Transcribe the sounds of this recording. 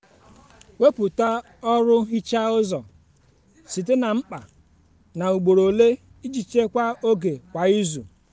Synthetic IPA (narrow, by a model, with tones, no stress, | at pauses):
we˦pu˨ta˦ | ɔ˦ɾʊ˦ɦi˦t͡ʃa˦ʊ˦zɔ̰˨ | si˨t̬e˦na˨ŋ͡m̩˦k͡pa̰˨ | na˨u˨ɡ͡bo˨ɾo˨le˦ | i˦d͡ʒi˨t͡ʃe˦kʷa˦o˦ɡe˨kʷa˨i˦zṵ˨